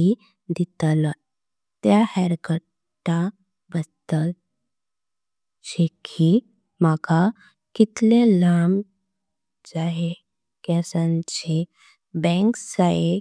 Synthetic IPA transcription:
i | d̪it̪la | t̪jahɛɾkə | ʈːa | bəst̪at | ɕekʰi | maka | kit̪lelam | d͡zaɦe | kɛsãnt͡ɕe | bɛ̃ŋksaje

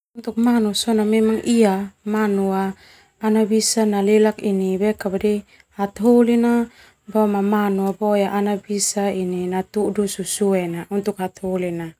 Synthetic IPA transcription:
unt̪uk̚manusɔnamɛmaŋʔiamanuaː | nabisanalelakinibɛkabadi | hat̪ɦolina | bamamanuabojaʔanabisaininat̪udususuɛnaunt̪ukhat̪holina

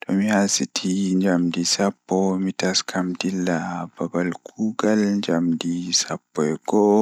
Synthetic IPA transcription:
tɔmihasitʰiɲd͡ʒamdisapːɔmitaskʰamdilːababalkʰuɡalɲd͡ʒamdisapːɔɛɡɔ

